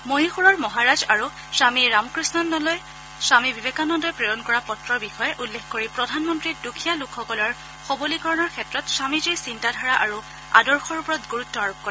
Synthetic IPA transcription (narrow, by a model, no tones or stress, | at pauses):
moɦixuɹɔɹmɔɦaɹazaɹu | samiɹamkɹisnɔnːɔlɔj | samibibekanɔndɔjpɹejɔnkɔɹapɔtɹɔɹbixɔjɛʔulːexkoɹipɹɔdʱanmɔntɹit̚dukʰijalukʰxɔkɔlɔɹ | xobolikɔɹɔnɔɹkʰɛtɹɔtsamizijsintadʱaɹaʔa̰ɹu | a̰dɔɹxɔɹupɔɹɔtɡuɹutːɔaɹup̚kɔɹɛ